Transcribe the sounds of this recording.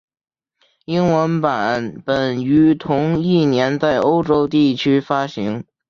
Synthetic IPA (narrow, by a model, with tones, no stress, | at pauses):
i˥ŋwə˧˥npa˨˩˦npə˨˩ny˧˥t̪ʰʊ˧˥ŋi˥˩njɛ˧˥nt͡sa˥˩ɪo˥ʊʈ͡ʂo˥ʊt̪i˥˩t͡ɕʰy˥fa˥ɕi˧˥ŋ